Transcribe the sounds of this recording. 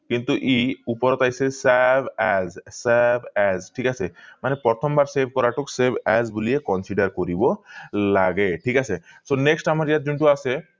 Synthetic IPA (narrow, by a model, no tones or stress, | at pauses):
kint̪uʔiupɔɾɔt̪ajsesabɛzsabʱɛzʈʰikasʰemanepɾɔt̪ʰɔmbaɾsebʱkɔɾaʈuksebʱɛzbuliekɔnsiɖaɾkoɾibɔlaɡeʈʰikasʰesoneksʈamaɾijat̪̚d͡ʒuɳʈuase